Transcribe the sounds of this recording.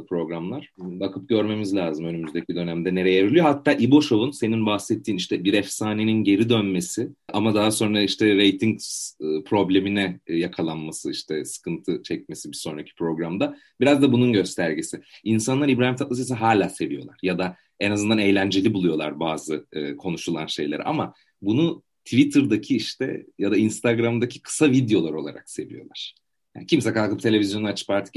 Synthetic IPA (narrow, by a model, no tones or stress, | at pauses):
pʰɾo̞ɡɾamlˠaɾ̥bakʰɯp̚ɟø̞ɾme̞mizlʲaːzɯmø̞nymyzd̪ecʰid̪ø̞næmd̪ɛne̞ɾejeeɾilʲˠijo̞ɦat̪ʰːaːʔibo̞ʃo̞vunse̞ninbahsɛt̪ʰːiːniʃt̪ʰɛbiɾɛfsaːne̞ninɟe̞ɾid̪ønme̞siamad̪aɦaso̞nɾaiʃt̪ʰɛɾe̞jt̪ʰiɲspʰɾo̞blʲe̞minɛjakʰalˠanmasɯiʃt̪ʰɛsɯ̥kʰɯnt̪ʰɯt͡ʃʰɛc̚me̞sibiso̞nɾacʰi̥pʰɾo̞ɡɾamd̪a | b̥iɾazd̪abununɟø̞st̪ʰæɾɟisiinsanlˠaɾibɾaːimt̪ʰat̪lˠasas̬iɦaːlʲaːse̞vijo̞lˠa̰ɾ̥jad̪a | enazɯnd̪ane̞jlʲænd͡ʒe̞lʲibulˠujo̞lˠa̰ɾbaːzɯːkʰo̞nuʃulˠanʃe̞jlʲeɾḭʔa̰ma | bunu | t̪ʰvit̪ʰɯɾd̪acʰiiʃt̪ʰɛ̰jad̪ainst̪ʰaɡɾamd̪acʰi̥kʰɯ̥savid̪jo̞lˠaɾo̞lˠa̰ɾa̰kse̞vḭjo̞̰lˠaɾ̥ | a̰cʰimsɛkʰalˠkɯp̚t̪ʰe̞lʲe̞vʲizjo̞nat͡ʃʰɯ̥paɾt̪ʰɯ̥